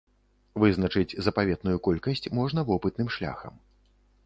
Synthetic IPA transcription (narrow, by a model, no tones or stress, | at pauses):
vɨzn̪ɐt͡ʂɨt͡sʲzɐpavʲɛt̪̚nujukɔlʲkɐsʲt͡sʲmɔʐnɐvɔpɨt̪̚nɨmʂlʲa̰xɐ̰m